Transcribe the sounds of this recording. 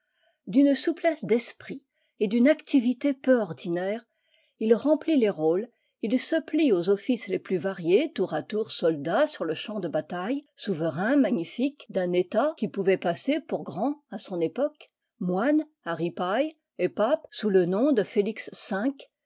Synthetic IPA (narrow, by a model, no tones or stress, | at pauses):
d̪ynsuplɛsd̪ɛspχi | ed̪ynakt̪ivit̪epøɔʁd̪inɛːʁ | ilʁɑ̃plileʁol | ilsəpliozɔfisleplyvaʁjet̪uʁat̪uʁsɔld̪asyʁləʃɑ̃d̪əbat̪ajsuvəʁɛ̃maɲifikd̪ɛ̃net̪akʲipuvɛpasepuʁɡʁɑ̃asɔ̃nepɔk | mwan | aʁipaj | epapsulənɔ̃d̪əfeliksːɛ̃k